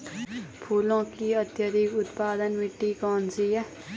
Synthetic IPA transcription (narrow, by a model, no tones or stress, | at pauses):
pʰuːlõkiət̪jəd̪ikʊt̪paːd̪ənmɪʈːikɔːnsijɛ